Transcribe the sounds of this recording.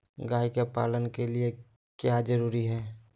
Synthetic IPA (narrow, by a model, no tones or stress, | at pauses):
ɡaːikepaːlənkelie | kjad͡ʒəɾuːɾiɦɛː